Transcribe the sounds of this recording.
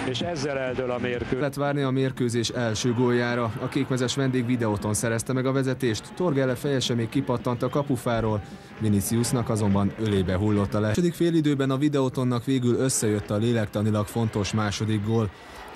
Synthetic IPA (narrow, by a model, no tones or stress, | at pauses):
eːʃɛzːɛlɛld̪ølɒmeːrkølɛt̪ʋaːrniɒmeːrkøːzeːʃɛlʃøːɡoːjaːɾɒɒkeːkmɛzɛʃʋɛnd̪eːɡʋid̪ɛot̪o̞nsɛɾɛst̪ɛmɛɡɒvɛzɛt̪eːʃt̪ːo̞rɡɛlɛfɛjɛʃɛmeːkːipɒt̪ːɒnt̪ɒkɒpufaːɾoːl | minit̪siusnɒkɒzo̞mbɒnø̞leːbɛɦulːo̞t̪ːɒlɛʃod̪ikfeːlid̪øːbɛnɒvid̪ɛot̪o̞nːɒkʋeːɡylø̞sːɛjø̞t̪ːɒleːlɛkt̪ɒnilɒkfo̞nt̪o̞ʃmaːʃo̞d̪iɡɡoːl